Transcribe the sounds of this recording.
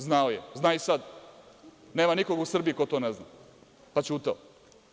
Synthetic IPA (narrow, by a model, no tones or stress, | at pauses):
znaojeznaːisad̪ | ne̞ːmaniko̞ɡusr̩biikot̪onezna | pat͡ʃuːt̪ao